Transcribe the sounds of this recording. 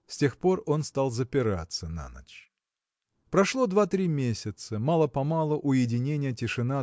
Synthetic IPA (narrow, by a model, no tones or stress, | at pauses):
sʲtʲe̞xpo̞ro̞nst̪alˠzəpʲɪɾa̰t̪səna̰nə̰t͡ɕ | pɾɐʂlˠo̞d̪vat̪ɾʲimʲesʲɪt̪səmalˠəpɐmalˠʊʔʊjɪdʲɪnʲenʲɪjətʲɪʂɨna